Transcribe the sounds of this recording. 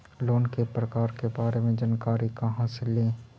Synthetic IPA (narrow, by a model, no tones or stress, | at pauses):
loːnkepɾəkaːɾkebaːɾemẽd͡ʒəːnkaːɾikɐɦãselẽː